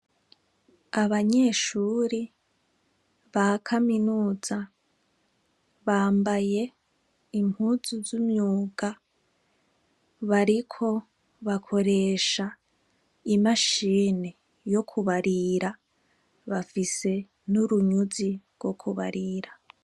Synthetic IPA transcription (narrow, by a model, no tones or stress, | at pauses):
aβaɲe̞ːʃuːɾi | βakʰaminuːz̥a | βaːmbaje̞ | imhuːzuzumɲuːɡ̥a | βaɾikʰo̞ | βakʰo̞ɾe̞ːʃa | imaʃiːne | jo̞kʰuβaɾiɾa | βafise̞ | nuɾuɲuziɡwo̞kʰuβa̰ɾiːɾa